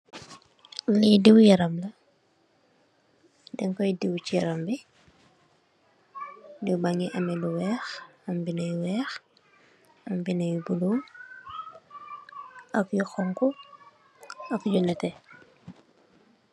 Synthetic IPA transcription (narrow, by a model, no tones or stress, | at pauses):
lidiwjɐɾɐmlɐ | dɛŋkɔjdiwt͡ʃijɐɾɐmbi | diwbaŋiʔɐmɛluwɛːxɐmbinɐjwɛːx | ɐmbinɐjubuluw | ɐkjuxɔŋku | ɐkjunɛtɛ